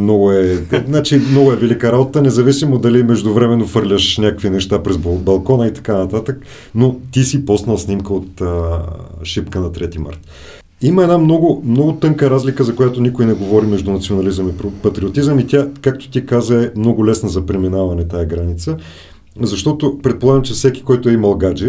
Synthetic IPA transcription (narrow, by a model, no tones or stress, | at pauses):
mnɔɡʊɛnat͡ʃimnɔɡʊɛvɛlikəɾabot̪ənɛzɐvisimod̪ɐlimɛʒd̪ʊvɾɛmɛnːofɤɾlʲəʃnʲakəkvinɛʃt̪apɾɛzbbɐlˠkɔnəit̪ɐ̥kanɐt̪at̪ək | not̪isipɔsnɐlˠsnimkəot̪ə | ʃipkənɐt̪ɾɛt̪ima̰ɾt̪ | iməɛd̪namnɔɡʊmnɔɡʊt̪ɤŋkəɾazlikəzɐkojat̪onikʊjnɛɡovɔɾimɛʒd̪unɐt̪sionɐlizəmippɐt̪ɾiot̪izəmit̪ʲakak̚t̪ʊ̥t̪ikazəɛmnɔɡʊlɛsnɐzɐpɾɛminavɐnɛt̪ajɐɡɾanit̪sə | zɐʃt̪ɔt̪opɾɛt̪̚polˠaɡəmt͡ʃɛfsɛkʲi̥kɔjt̪ʊɛimɐlˠɡad͡ʒɛ